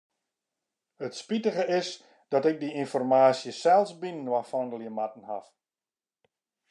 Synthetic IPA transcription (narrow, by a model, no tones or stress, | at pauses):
ətspitəɣəɪs | d̥ɔtɪk̚diinfɔrmaːsjəsɛlˠsbinnwafɔndəlˠjəmatn̩ha̰f